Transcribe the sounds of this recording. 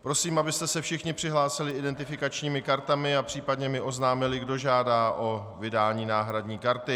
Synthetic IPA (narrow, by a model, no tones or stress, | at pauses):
pɾo̞siːmabɪst̪ɛsɛfʃɪxɲɪpr̥ɪɦlaːsɪlɪɪdɛnt̪ɪfɪkat͡ʃɲiːmɪkaɾt̪amɪapr̝̥iːpadɲɛmɪʔo̞znaːmɪlɪɡdo̞ʒaːdaːʔo̞vɪdaːɲiːnaːɦɾadɲiːkaɾt̪ɪ